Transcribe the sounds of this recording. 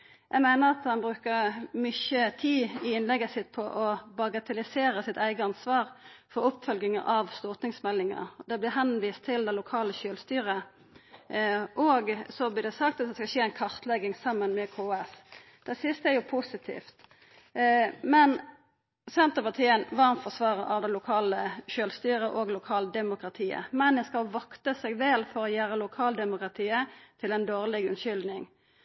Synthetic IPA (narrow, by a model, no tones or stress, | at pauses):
jʔæɪmæɪnəɾɑt̪hɑnbʁʉːkəʁmʏçət̪ʰiːɪɪnlɛɡəsɪt̪̚pʰɔʔɔbɑɡɑt̪ʰɛlɪseːɾəsɪt̪æɪɡəɑnsʋɑːʁfɔɾʊpːfœlɡɪŋəʔɑʋst̪ɔʁt̪nɪŋsmɛlːɪŋə̰d̪ɛblɪɦɛnʋiːst̪ʰːɪld̪ɛlʊkʰɑːləçølst̪yːʁə | ʔɔɡsɔblɪd̪ɛsɑk̚t̪ɑt̪d̪ɛskɑʃeːæɪnkʰɑʁt̪lɛɡɪŋsɑmːənmɛkʰoɛs | d̪̥ɛsɪst̪əæɾjʊpʰusɪt̪ʰḭːft̪ | mɛn | sɛnt̪əpɑʁt̪ʰiːənʋɑʁnfɔsʋɑːʁəʔɑʋd̪ɛɪlʊkʰɑːləʃøːlst̪yːɾəʔoːɡlʊkʰɑːld̪ɛmʊkʁɑt̪ʰiːə̰mɛnd̪ɛskɑlʋɑkt̪əsɛɡʋeːlfɔʁɔjæːɾəlʊkʰɑːld̪ɛmʊkʁɑt̪ʰiːət̪ʰɪlɛnd̪oːʁlɪɡʉnʃʏld̪nɪŋ